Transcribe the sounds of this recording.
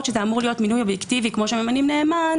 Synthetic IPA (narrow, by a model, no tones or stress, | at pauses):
tʃezeamuʁlijo̞tminujo̞bjektivikmo̞ʃememanimneːman